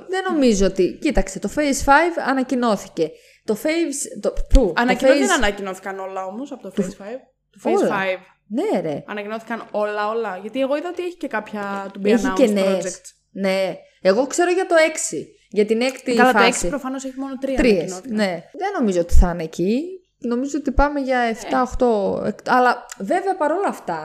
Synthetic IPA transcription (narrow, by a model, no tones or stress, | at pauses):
ðe̞no̞mizoot̪icit̪ɐkst̪et̪o̞fejsfɐjvɐnɐcino̞θice̞ | t̪o̞fejvst̪opuɐnɐcieennɐcino̞θi̥kɐno̞lɐo̞mo̞sɐpot̪ofsfɐjv | t̪ufolɐɐjv | ne̞ɾeɐnɐcinoθi̥kɐno̞lɐo̞lɐʝɐt̪ie̞ɣo̞iðɐot̪ieçi̥cekɐpçɐt̪ubieçimcesned͡ʒekt̪ | ne̞ | eɣo̞kse̞ɾo̞ʝɐt̪o̞e̞ksi | ʝɐt̪ine̞kt̪iɐlɐoeksiipɾofɐno̞seçimonot̪ɾiɐt̪ɾiesoθne̞ðeno̞mizoot̪i̥θɐneci | no̞mizoot̪ipɐme̞ʝɐeft̪ɐoxt̪o̞ḛkt̪ɐlɐve̞veɐpɐɾo̞lɐːft̪ɐ